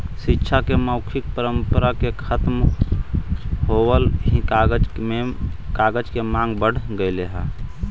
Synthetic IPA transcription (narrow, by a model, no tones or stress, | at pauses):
ʃɪtːʃʰakeməʊkʰɪk̚pəɾəmpəɾakekʰət̪m | ɦowəlɦikːɡmekaːɡəd͡ʒkemãːŋɡbəɽ̤ɡəɪleɦɛ̃ː